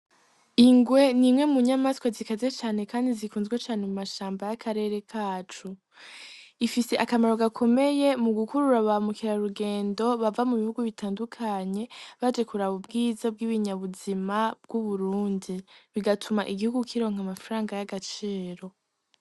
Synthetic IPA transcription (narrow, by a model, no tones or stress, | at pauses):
iŋɡwe̞nimŋe̞muɲamaskwezikaze̞t͡ʃaːne̞kaːndizikuːnzɡwet͡ʃaːne̞mumaʃaːmbajakʰaɾe̞ːɾe̞kʰaːt͡ʃu | ifise̞ʔakamaɾo̞ɡakʰo̞me̞je̞muɡukuɾuɾaβaamukiɾaɾuɡe̞ːndo̞βavamuβihuɡuβitʰaːndukʰaɲe̞βad͡ʒe̞kuɾaβubɡiːzab̚ɡiβiɲaβuzimab̥ɡ̥uβuɾuːndiβiɡatʰumaʔiɡihuɡukʰiɾo̞ːŋ̥hamafaɾaːŋɡajaɡat͡ʃiːɾo̞